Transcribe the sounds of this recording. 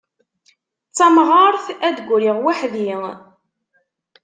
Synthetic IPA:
t͡sːɑmʁəɾˤθæd̪ɡʷɾiʁwaħði

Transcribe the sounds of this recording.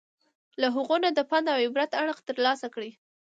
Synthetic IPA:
laɦuɣonad̪əpɑnd̪awebɾat̪aɽəxt̪əɾlɑsakɽi

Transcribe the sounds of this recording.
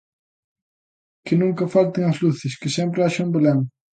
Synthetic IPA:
kɪnũŋkɐfalt̪ɪŋɐzluθɪskɪsɛmp̬ɾɪaʃɐmbelɛŋ

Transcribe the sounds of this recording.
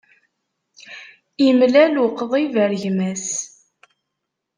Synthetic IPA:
imlæluqːəðˤivəɾʝmæs

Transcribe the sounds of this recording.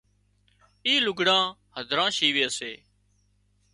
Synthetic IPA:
iːlʊɡʱɽãː | həd̪ʱɾãːʃiːʋeːəseː

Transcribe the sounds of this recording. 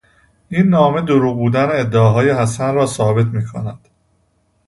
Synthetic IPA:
ʔinːɒːme̞d̪oɾuːbuːd̪æneːd̪ːeeɦɒːjehæsænɾɒːsɒːbe̞t̪ʰmiːkʰo̰næd̪̥

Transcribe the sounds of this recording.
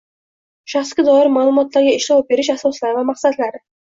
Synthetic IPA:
ʃaχskʲad̪ɒɪɾmalˠʊmɒt̪laɾɡʲaɪʃlɒp̚be̞ɾɪʃasɒslaɾɪvamaχsad̪laɾɪ

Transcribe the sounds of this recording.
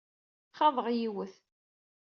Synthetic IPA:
χɑðˤəʁjiwəθ

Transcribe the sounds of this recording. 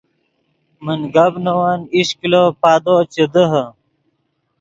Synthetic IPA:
mənɡɐbnowaniɕkilopaːd̪ot͡ɕed̪əɦə

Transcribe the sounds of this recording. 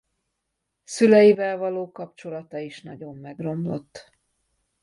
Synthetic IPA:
sylɛjivɛlvɒloːkɒpt͡ʃo̞lɒt̪ɒiʃnɒ̰ɟo̞mːɛɡro̞mlo̞̰t̪ː

